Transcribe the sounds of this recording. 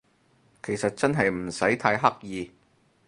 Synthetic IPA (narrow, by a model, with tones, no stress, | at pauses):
kʰe˨˩jsɐ˨t̚t͡sɐ˥nɦɐ˨jm̩˨˩sɐ˨˥jt̪ʰaː˧jɦɐ˥k̚jiː˨˧